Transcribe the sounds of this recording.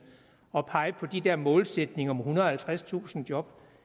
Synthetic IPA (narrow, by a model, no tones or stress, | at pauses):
ɒ̽pʰɑ̈ɪəpʰɒ̽d̥id̥eɐmɔ̽ːlsed̥ne̝ŋɐɒ̽mhunɐɒhælt͡sʰʁast͡sʰṵːsn̩d̥jɒ̽b̥